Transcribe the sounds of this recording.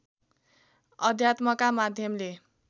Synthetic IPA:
ʌd̪ʱjat̪mʌkamad̪ʱjʌmle

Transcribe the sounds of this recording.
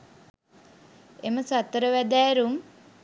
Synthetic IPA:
eməsat̪əɾəʋæd̪æːɾum

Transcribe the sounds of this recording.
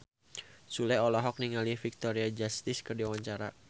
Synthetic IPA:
sulɛɔlɔɦɔk̚niŋalifik̚t̪ɔɾiad͡ʒast̪ɪskərdiawaɲt͡ʃaɾa̰

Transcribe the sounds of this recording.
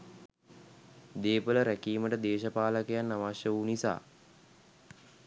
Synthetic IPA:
d̪eːpələɾækiːməʈəd̪eːʃəpaːləkəjanːaʋaʃjəʋunisa̰ː

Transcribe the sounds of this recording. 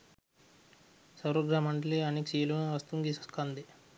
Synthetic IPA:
sɐwɾoɡɾaːmɐɳɖliɐniksiːluʋɐst̪uŋɡisɐskand̪i

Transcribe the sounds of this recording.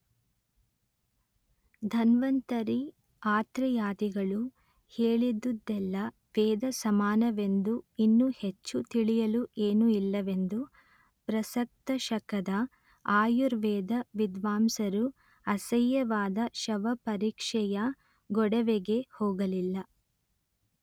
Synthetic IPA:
d̪ʱɐnʋɐnt̪ɐɾi | aːt̪ɾɐjaːd̪iɡɐɭu | heːɭid̪ːud̪ːɛlːɐ | ʋɛːd̪ɐsɐmaːnɐʋe̞nd̪uinːuhet͡ʃːut̪iɭijɐluʔeːnuilːɐʋe̞nd̪u | pɾɐsɐk̚t̪ɐʃɐkɐd̪ɐ | aːjuɾʋɛːd̪ɐʋid̪ʋaːmsɐɾu | ɐsɐjːɐʋaːd̪ɐʃɐʋɐpɐɾiːkʂɛjɐ | ɡɔɽɐʋeɡe̞hoːɡɐlilːɐ

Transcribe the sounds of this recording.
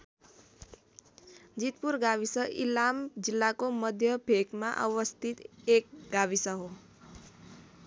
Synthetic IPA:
d͡ʒit̪puɾɡaʋisəʔḭlamd͡ʒilːakoməd̪ʱjəbʱekmã̰ʔəʋəst̪ʰit̪ek̚ɡaʋisəɦo

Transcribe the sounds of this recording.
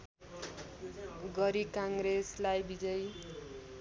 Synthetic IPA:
ɡʌɾikaŋɡɾeslajbid͡zʌj

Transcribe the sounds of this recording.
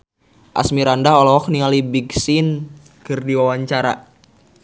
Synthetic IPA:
ʔa̰smiɾandaɦɔlɔɦɔk̚nialibiɡsin | kɨrdiwawaɲt͡ʃaɾa̰

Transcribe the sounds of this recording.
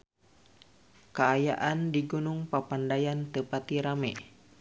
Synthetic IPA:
kaːja̰ʔandiɡunuŋpapandajant̪əpat̪iɾamɛ

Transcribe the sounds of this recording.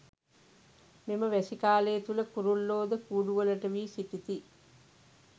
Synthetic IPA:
miməʋæsikaːleːt̪ulɐkuɾulːoːd̪əkuːɖuʋɐlɐʈɐʋiːsit̪it̪i

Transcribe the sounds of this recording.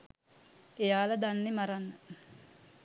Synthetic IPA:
ejaːlad̪anːemaɾanːə

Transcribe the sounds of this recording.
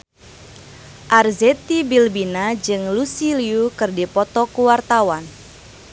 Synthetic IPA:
ʔarzɛt̪ibilbinad͡ʒɨŋlusiliukɨrdipɔt̪ɔkuwart̪awan

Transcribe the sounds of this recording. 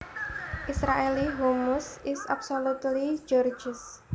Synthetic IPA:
ʔisɾaeliɦomʊsɪsabsolut̪lid͡ʒɔrd͡ʒəs

